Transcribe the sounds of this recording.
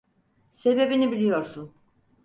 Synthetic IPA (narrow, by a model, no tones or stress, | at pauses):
se̞be̞binibilʲijo̞ɾsun